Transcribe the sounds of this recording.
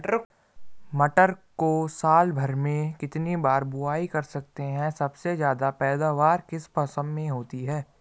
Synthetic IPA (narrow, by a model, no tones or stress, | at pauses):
ʈəɾ | mɐʈəɾkosaːlbʱɐɾmẽkɪt̪nibaːɾbʊaːikɐɾsɐk̚t̪eɦɛ̃sɐbsezjaːd̪apɛːd̪aːʋaːɾkɪspəsə̃mmẽɦoːt̪iɦɛː